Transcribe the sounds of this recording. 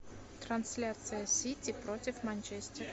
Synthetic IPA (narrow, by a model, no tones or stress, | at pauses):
t̪ɾɐnsʲlʲat̪sɨjəsʲitʲipɾotʲɪfmanʲt͡ɕesʲt̪ʲɪr